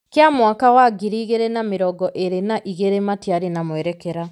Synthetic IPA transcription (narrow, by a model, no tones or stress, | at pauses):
keamwakawaɡiɾiːɣeɾenameɾɔɡɔʔeɾenaʔiɣeɾematiaɾenamwɛɾɛkɛɾa